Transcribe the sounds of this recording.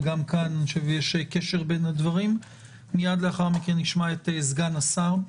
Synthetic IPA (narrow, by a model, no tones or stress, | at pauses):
ɡamkananʃevjeʃekeʃe̞ʁbe̞nad̪vaʁim | mijad̪leaχaʁmikenːiʃmaetezɡanasaʁ